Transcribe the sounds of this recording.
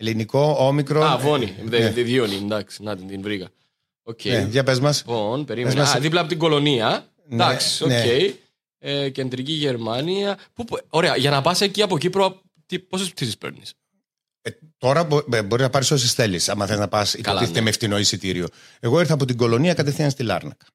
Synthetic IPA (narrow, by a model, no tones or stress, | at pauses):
eliniko̞omikɾoavoniðeðeðionind̪ɐksi̥nɐt̪ind̪invɾiɣɐ | ocʰːeeʝɐpezmɐsponpeɾimzɐðiplɐpot̪iɡo̞lo̞niɐ | nd̪ɐksi̥oneej | ece̞nd̪ɾiciʝe̞ɾmɐniɐpupoɾeɐʝɐnɐpɐseciɐpocipɾo | t̪ipo̞sesis̬ispḛɾnis | et̪o̞ɾɐbo̞ɾiznɐpɐɾisos̬isθe̞lisɐmɐθeznɐpɐsipɐot̪iθit̪emeft̪ino̞isit̪iɾio̞ | e̞ɣo̞iɾθɐːpo̞t̪̬iɡo̞lo̞niɐkɐt̪efθiɐnst̪ilɐ̰ɾnɐk